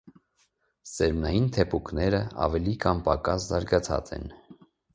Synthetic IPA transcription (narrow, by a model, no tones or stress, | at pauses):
sɛɾmnɑjint̪ʰɛpʰuknɛɾəɑ̰vɛlikʰɑmpɑkɑszɑɾɡɑt͡sʰɑ̰t͡sɛ̰n